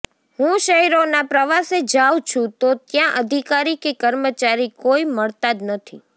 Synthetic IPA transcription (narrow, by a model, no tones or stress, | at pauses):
hũʃəɦiɾonapɾəʋased͡ʒawt͡ʃʰũt̪ot̪jãʔəd̪ʱikaɾikekəɾmət͡ʃaɾikoiməɭt̪ad̪nət̪ʰi